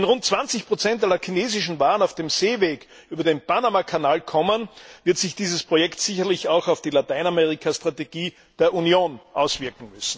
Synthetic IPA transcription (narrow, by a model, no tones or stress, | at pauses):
ɛnʁʊnt̚t͡sv̥ant͡sɪçpʁ̥ot͡sɛntalɐkʰineːzɪʃn̩vaːənaʊfd̥emz̥eːveːɡ | ʔyːbɐdenpanamakʰanaːlkʰɔmənvɪɐtsɪçd̥iːzəspʁ̥ojɛktsɪçɐlɪçaʊxɑʊfd̥iːlataɪnamɛʁɪkʰastʁ̥ateɡ̥iː | d̥eːɐʔunjoːnʔaʊsv̥ɪɐkŋ̩mʏsn̩